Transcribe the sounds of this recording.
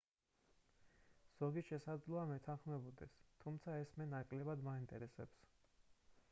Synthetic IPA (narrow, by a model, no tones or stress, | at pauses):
z̥ɔɡiʃɛsad̪zlˠɔamɛt̪ʰanχmɛbɔd̪ɛst̪ʰumt̪sʰaɛsmɛnakʼlɛbad̪maint̪ʼɛɾɛsɛps